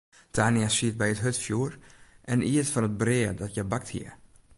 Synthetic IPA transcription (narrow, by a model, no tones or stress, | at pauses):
tʰaːnəsiət̚bɛjətɦøtfjuːrʔɛnʔiətfɔnət̚brɪədɔtjəbak̚thḭər